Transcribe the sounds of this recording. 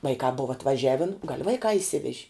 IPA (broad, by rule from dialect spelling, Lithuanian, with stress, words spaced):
ˈʋɐɪkɑː ˈboːʋɐ ɐtʋɐˈʒʲæːʋʲɪn ɡɐlʲ ˈʋɐɪkɑː ɪʃʲˈsʲɪʋʲɛʒʲɪ